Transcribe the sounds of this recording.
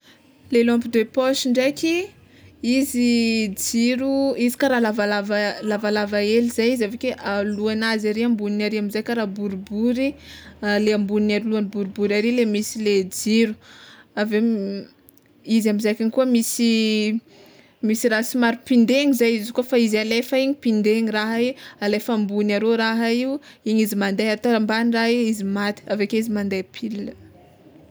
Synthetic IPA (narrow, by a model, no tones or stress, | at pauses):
lelɔ̃mpid̪epɔʃiɳɖ͡ʐekʲi | izid͡ziɾuizi̥kaɾalavalavalavalavaelizajizavekeʔaluanazaɾeambuninaɾiamizajkʲaɾabuɾbuɾialeambuninaɾiluanibuɾubuɾaɾilemisiled͡ziɾu̥ave | izamizakiɲikuəmisi | misiɾasimaɾupind̪eɲizajizikofaizalefaiɲipind̪eɲiraɦaialefambunaɾoɾaɦaiuiɲizimand̪eat̪oɾambanraɦiizimat̪i̥avekeizimand̪epʰilinə